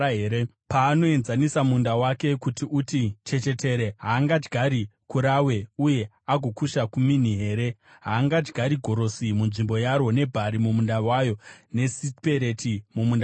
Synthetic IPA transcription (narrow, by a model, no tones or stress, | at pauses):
ɦeːɾe | paːno̞e̞nzanisamundawake̞kutiʔutit͡ʃe̞t͡ʃe̞te̞ɾe̞ɦaːŋɡad͡ʒɡʱaɾikuɾawe̞uje̞ | aɡʱo̞kuʃakuminiɦe̞ːɾe̞ | ɦaːŋɡad͡ʒɡʱaɾiɡʱo̞ɾo̞simunʐimbo̞jaɾo̞ne̞bʱaɾimumundawajo̞ne̞sipe̞ɾe̞timumunda